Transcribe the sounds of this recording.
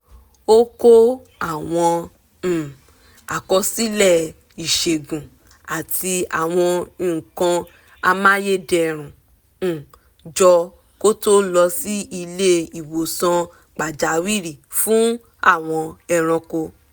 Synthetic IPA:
o˦ko˦ | a˦˨w̃ɔ̃˧˨ | a˨kɔ˧˦si˦lɛ˦˨ | i˨ʃe˨ɡũ˨ | a˨ti˧a̰˨w̃ɔ̃˧ĩ˨kã˧ | a˧mã˦je˦dɛ˨ɾ̃ũ˨ | d͡ʒɔ˧ | ko˦to˦lɔ˧si˦i˧le˦i˨wo˨sã˧ | k͡pa˨d͡ʒa˨˦wi˦˨ɾi˨fũ˨˦ | a̰˦˨w̃ɔ̃˧ɛ˧ɾ̃ɔ̃˧ko˧

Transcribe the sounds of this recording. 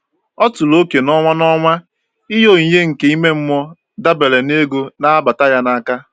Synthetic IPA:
ɔ˦tʊ˨lo˦ke˨nɔ˦ŋʷa˦nɔ˦ŋʷa˦ | i˦ɦo˦˨i˨ɲe˦ŋ̩˨ke˨˦i˦me˦m̩˦mɔ˦ | da˦be˨le˨ne˦ɡu˦na˦a˦ba˨ta˦ja˦na˦ka˦

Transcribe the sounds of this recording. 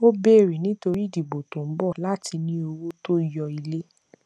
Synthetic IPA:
o˦bɛ˦˨ɾe˨nĩ˨˦to˧ɾi˦˨di˨bo˨to˨m̩˦bɔ˦˨la˦tʰi˧nĩ˦o˧wo˦to˦i˨jɔ˧i˧le˦

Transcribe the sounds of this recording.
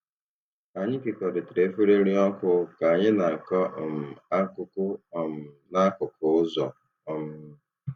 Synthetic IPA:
a˨ɲɪ˦kɪ˨kɔ˨ɾɪ˨tɾe˨˦fe˦ɾe˦ɾi˦ɔ˦kʊ˦ka˨a˨ɲɪ˦na˨kɔ˦˨m̩˨a˦kʊ˦kʊ˦˨m̩˨ | na˦kʊ˨kʊ˨ʊ˦zɔ˨ | ɔ˦m̩˦

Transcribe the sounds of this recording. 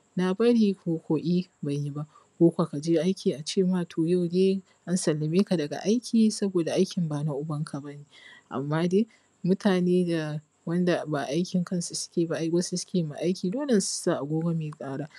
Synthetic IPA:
na˨bɐ˦ɽiː˨kʷoː˨kʷoː˨ʔʲiː˦ba˨jji˦ba˦ʔ | kʷoː˦kʷa˨ka˨d͡ʒeː˦ʔa˦jkʲiː˨ʔa˨t͡ʃeː˦˨maː˦tʰoː˨ja˦wdeː˦ | ʔa˦nsɐ˨lːɪ˨meː˦ka˨dɐ˨ɡa̰˨ʔa˦jkʲʰiː˨sɐ˦boː˨da˨ʔa˦jkʲɪ˨mbaː˨na˦ʔʊ˦bɐ˦ŋkʰa˨bɐ˦neː˨ʔa̰˨mːaː˦deː˦ | mʊ˦tʰaː˨neː˦da˨ | wɐ˦nda˨ba˨ʔa˦jkʲɪ˨ŋkɐ˦nsu˨sʊ̥˦kʲeː˨ba˦ʔɡɐ˦su˦sʊ̥˦kʲeː˨ma˨ʔa˦jkʲiː˨doː˦le˨nsʊ̥˦saː˦˨ʔa˨ɡʷoː˦ɡa˦meː˨kʼaː˦ɽaː˦

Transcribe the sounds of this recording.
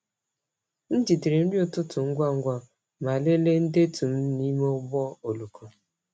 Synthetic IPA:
n̩˦d͡ʒi˨ti˨ɾe˨n̩˦djʊ˦tʊ˦tʊ˨ŋ̩˦ɡʷa˦˨ŋ̩˦ɡʷa˨ | ma˨le˦le˦n̩˦de˦tu˨m̩˦ni˦mo˦bɔ˦o˨lu˨kʰo˨

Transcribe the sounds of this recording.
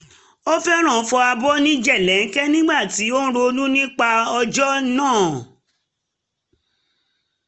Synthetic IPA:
o˦fɛ˦ɾ̃ã˦˨˦fɔ˧a˧bɔ˦nĩ˦d͡ʒɛ˦˨lɛ˨˦n̩˦kɛ˦nĩ˦ɡ͡ba˦˨ti˨˦õ˦ɾo˧nũ˦nĩ˦k͡pa˧ɔ˧d͡ʒɔ˦nãː˦˨

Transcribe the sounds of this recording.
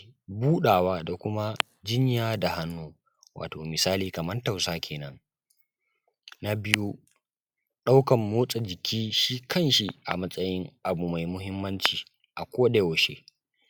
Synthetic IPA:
buː˦ɗaː˨waː˦da˨kʷʊ˦ma˦ | d͡ʒɪ˦ɲjaː˦da˨ɦa˦nːuː˦ | wa̰ː˨toː˨mɪ˨saː˦liː˨kɐ˨mɐ˦nta˨wsaː˦kʲʰeː˨nɐ˦ŋ | na˦bɪ˦ju˦ | ɗa˦wkɐ˨mːoː˦sʼa˨d͡ʒɪ˨kʲʰiː˦ʃiː˦kʰɐ˦nʃi˦ʔa̰˨mɐ˦sʼɐ˦jɪ˦ŋʔa˨bu˨ma˨jmʊ˦ɦɪ˦mːɐ˦nt͡ʃiː˨ | ʔa˨kʷoː˦ɗe˦o˨ʃḛ˦

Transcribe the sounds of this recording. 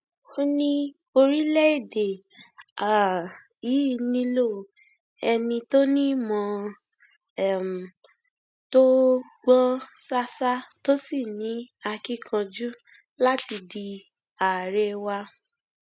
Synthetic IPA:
o˧nĩ˧ | o˧ɾi˦lɛ˦e˦˨de˨ | a˨ | i˨˦nĩ˧lo˦˨ | ɛ˧nĩ˧to˦nĩ˦mɔ̃˨˧ | ɛ˦˨m̩˨ | to˦ | ɡ͡bɔ̃˦sa˦sa˦to˦si˦˨nĩ˨˦a˧ki˦kʰã˧d͡ʒu˦ | la˦ti˧di˧ | a˨ɾɛ˧wa˧

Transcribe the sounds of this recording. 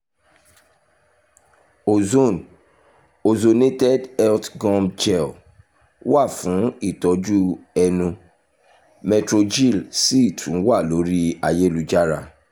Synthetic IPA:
o˨zo˦˨n | o˨zo˨ne˦tɛ˦dɛ˦ltɡɔ̃˦md͡ʒɛ˦˨l | wa˦˨fũ˨˦i˦˨tɔ˨˦d͡ʒu˦ɛ˧nũ˧ | mɛ˧tɾo˧d͡ʒi˦˨lsi˦i˦˨tʰũ˨˦wa˦˨lo˦ɾi˦a˧je˦lu˦d͡ʒa˦ɾa˦˨

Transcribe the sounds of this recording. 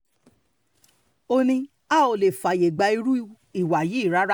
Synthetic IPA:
o˧nĩ˧ | a˦˨o˨le˨fa˨je˨ɡ͡ba˧˦i˧ɾu˦ | i˦˨wa˨ji˨˦i˦˨ɾa˦ɾa˦

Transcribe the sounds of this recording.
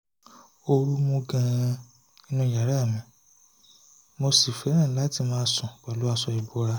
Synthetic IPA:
o˧ɾu˦mõ˧ɡã˧ | i˧nũ˧ja˨ɾa˦a˦˨mĩ˧˦ | mo˧si˨fɛ˨˦ɾ̃ã˦˨˦la˦ti˧mãː˧˦sɔ̃˨k͡pa˨lo˨˦a˧sɔ˧i˨bo˨˦ɾa˧

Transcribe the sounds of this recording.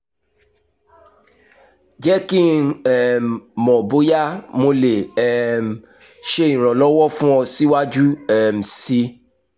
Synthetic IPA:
d͡ʒɛ˦ki˦ɛ˦m˨mːɔ̃˨bo˨˦ja˦mo˧le˨ɛ˦m̩˨ | ʃe˧ĩ˨ɾ̃ɔ̃˨lɔ˦wɔ˦fũ˦ɔ̃˧si˦wa˦d͡ʒu˦ɛ˨m̩˨si˧˦

